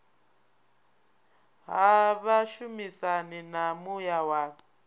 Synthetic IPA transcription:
ɦaβaʃumisanɛnamujawaːkɛ

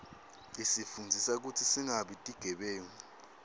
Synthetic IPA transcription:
isifund͡zʱisak̬utʰisiŋaɓitʼiɡ̥ʱɛɓɛːŋɔ

